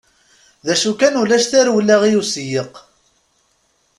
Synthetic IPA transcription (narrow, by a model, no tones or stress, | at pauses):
ðæʃukænulæʃθæɾwlːæʁijusjəq